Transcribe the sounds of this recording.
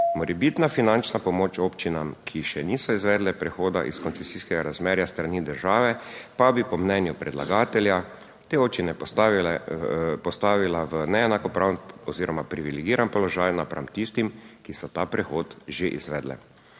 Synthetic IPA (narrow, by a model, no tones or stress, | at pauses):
mɔɾɛbiːt̪nafinant͡ʃnapɔmoːt͡ʃoːpt͡ʃinamkʰiʃɛniːsɔizʋɛːd̪lɛpɾɛxoːd̪a̰ʔḭskɔnt̪sɛsiːskɛɡaɾazmɛːɾjast̪ɾaniːd̪əɾʒaːʋɛpabipɔmnɛnjupɾɛd̪la̰ɡaːt̪ɛlja | t̪eoːp̚t͡ʃinɛ | pɔst̪aːʋilaʋənɛɛnakɔpɾaːwnɔziːɾɔmapɾiʋilɛɡiːɾanpɔlɔʒaːjnapɾʔa̰mt̪ist̪imkisɔt̪apɾɛxoːt̪ʒeʔḭzʋɛːd̪lɛ̰